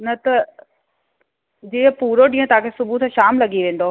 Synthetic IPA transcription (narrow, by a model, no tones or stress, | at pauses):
nɐt̪ɐ | d͡ʑiːəpuːɾoɗĩːə̃t̪ãːkʰesʊbʱut̪ʰãʃaːmlɐɡiʋẽːn̆d̪o